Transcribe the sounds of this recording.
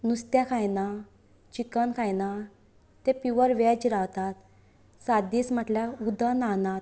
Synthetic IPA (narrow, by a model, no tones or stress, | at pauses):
nust̪jakʰajna | t͡ɕikənkʰajna | t̪ɛ̃piʋəɾʋɛd͡ʑiɾawt̪at̪ | sad̪ismaʈ̪ljaud̪ʱananat̪̚